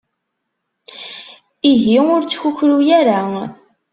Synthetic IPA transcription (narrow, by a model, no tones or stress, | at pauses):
iʝiʊɾt͡sːçuçɾujæɾa